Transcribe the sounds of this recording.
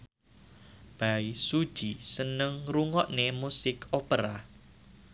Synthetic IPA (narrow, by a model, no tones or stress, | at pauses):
b̥aisud̥ʒ̥isənəŋruŋɔʔnemusɪkʰopəɾa